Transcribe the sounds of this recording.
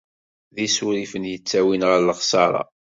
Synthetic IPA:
ðisuɾifənjət͡sːæwinʁəɾləχsɑɾˤɑ̰

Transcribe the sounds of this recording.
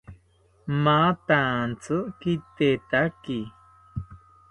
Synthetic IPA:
mãt̪ãːnt͡sʰɨkit̪et̪aki

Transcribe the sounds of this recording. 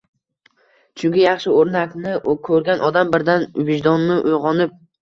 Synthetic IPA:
t͡ʃʰʊŋkʲɪjɑχʃɪoɾnakʲnɪkʰɵɾɡʲanʔɒd̪ambɪɾd̪anʊvɪʃd̪ɒnːɪʔʊjʁɒnɪp̚

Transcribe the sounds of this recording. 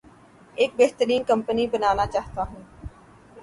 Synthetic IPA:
eːk̚beːɦt̪əɾiːnkə̃mpənibənaːnat͡ʃaːɦt̪aɦũː

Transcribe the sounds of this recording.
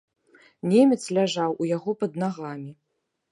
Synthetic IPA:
nʲemʲɛt̪slʲaʐawʔujaɣɔpɐd̪naɣamʲi

